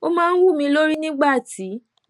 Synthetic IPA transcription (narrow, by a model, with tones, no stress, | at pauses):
o˦mãː˦n̩˦wu˦˨mĩ˧˦lo˦ɾi˦nĩ˦ɡ͡ba˦˨ti˨˦